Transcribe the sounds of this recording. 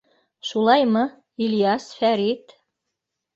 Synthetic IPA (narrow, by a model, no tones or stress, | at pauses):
ʃulˠɑjmɤ̆ | ilʲjɑsfæɾit̪